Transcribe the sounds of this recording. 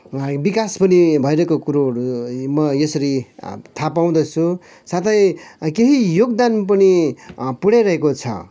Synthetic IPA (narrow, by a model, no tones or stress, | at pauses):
bikaspʌnibʱʌjɾʌkokuɾoɾumʌjʌsʌɾit̪ʰapaw̃d̪ʌt͡sʰu | sat̪ʰʌjkeɦijoɡd̪anp̬ʌnipuɽajɾʌɦekot͡sʰʌ̰